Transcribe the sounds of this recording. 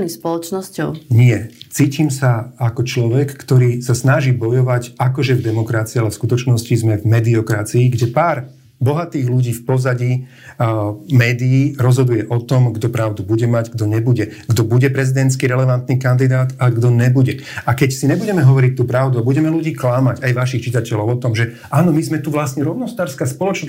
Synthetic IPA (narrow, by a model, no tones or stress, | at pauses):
nispɔlɔt͡ʃnɔscɔʊɲɪɛt͡siːciːmsaakɔt͡ʃlɔʋɛkːt̪ɔɾiːsasnaʒiːbɔjɔʋacakɔʒɛvd̪ɛmɔkɾat͡siialɛfskut̪ɔt͡ʃnɔscizmɛvmɛd̪iɔkɾat͡siːɡɟɛpaːɾ | bɔɦat̪iːɣluɟiːfpɔzaɟi | mɛːd̪iiːɾɔzɦɔd̪ujɛʔɔt̪ɔmɡd̪ɔpɾaʊd̪ubuɟɛmaɟɡd̪ɔɲɛbuɟɛɡd̪ɔbuɟɛpɾɛzid̪ɛnt̪t͡skiɾɛlɛʋant̪nikand̪id̪aːt̪aɛɡd̪ɔɲɛbuɟɛ | akɛcsiɲɛbuɟɛmɛɦɔʋɔɾic̚t̪ːuːpɾaʊd̪uabuɟɛmɛluɟiːklamaɟajʋaʃ̬ixt͡ʃit̪acɛlɔʊɔt̪ɔmʒɛ | aːnɔmizmɛt̪uʋlasɲɛɾɔʊnɔst̪aːɾskaːspɔlɔt͡ʃ